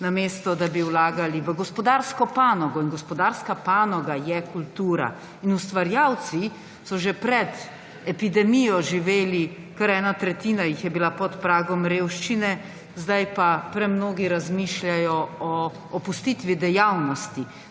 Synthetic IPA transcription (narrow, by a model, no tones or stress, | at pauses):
namest̪ɔd̪abiwlaːɡaliʋəɡɔspɔd̪aɾskɔpaːnɔɡɔinɡɔspɔd̪aɾskapaːnɔɡajɛkult̪uːɾa̰ | inust̪ʋaɾjawt̪si | sɔʒepɾɛd̪ | ɛpid̪ɛmijɔʒiʋeːli | kaɾɛːnat̪ɾɛt̪iːnajixjɛbilapɔt̪pɾaːɡɔmɾeːwʃt͡ʃinɛ | zd̪ajpapɾɛmnoːɡiɾazmiʃlʲjajɔɔː | pust̪it̪ʋid̪ɛjawnɔst̪i